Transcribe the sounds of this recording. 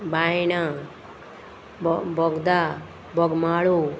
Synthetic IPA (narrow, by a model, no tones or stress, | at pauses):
bajna | bɔɡd̪a | bɔɡmaːɭu